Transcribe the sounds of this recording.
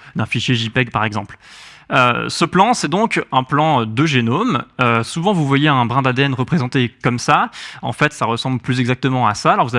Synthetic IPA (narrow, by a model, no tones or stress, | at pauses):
d̪ɛ̃fiʃjeʒipɛɡpaʁɛɡzɑ̃pl | ø̰səplɑ̃sɛd̪ɔ̃kɛ̃plɑ̃d̪əʒenomøsuvɑ̃vuvwajeɛ̃bʁɛ̃d̪ad̪eɛnʁəpχezɑ̃t̪ekɔmsaɑ̰̃fɛt̪saʁəsɑ̃blplyzɛɡzak̚t̪əmɑ̃asaːlɔʁvuza